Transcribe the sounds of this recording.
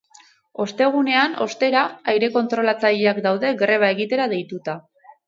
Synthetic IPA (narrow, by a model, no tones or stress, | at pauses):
o̞st̪e̞ɣ̞une̞ano̞̰st̪e̞ɾaajɾe̞ko̞nt̪ɾo̞lat͡saʎeakd̪awðe̞ɡre̞β̞ae̞ɣit̪e̞ɾað̞e̞jt̪ut̪a